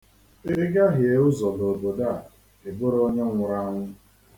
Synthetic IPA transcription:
e˦ɡa˦ɦɪ˨e˨ʊ˦zɔ˨do˨bo˨da˦˨ | e˨bʊ˦ɾo˦ɲe˦ŋʷʊ˨ɾa˦ŋʷʊ˦

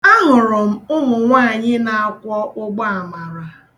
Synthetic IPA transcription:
a˦ɦʊ˨ɾʊ˨m̩˨ʊ˦ɦʊ˨ŋʷaː˦˨ɲɪ˦na˨a˨kʷɔ˦ʔʊ˦ɡ͡ba˦a˨ma˨ɾa˨

